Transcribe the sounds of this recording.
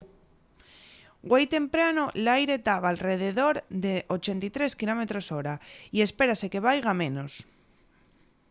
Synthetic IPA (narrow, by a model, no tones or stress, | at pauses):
ɡwejt̪e̞mpɾanolajɾe̞t̪aβ̞aːlreð̞eðo̞ɾðeʔot͡ʃe̞nt̪it̪ɾe̞skilo̞met̪ɾo̞soɾaiespe̞ɾase̞ke̞β̞ajɣ̞amẽ̞nos